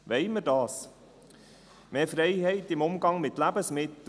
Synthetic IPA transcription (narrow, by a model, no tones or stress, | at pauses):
ʋɛɪməɾdɑːs | meːfɾɛɪɦɛɪtɪmʊmɡɑŋmɪtlæbəsmɪt̪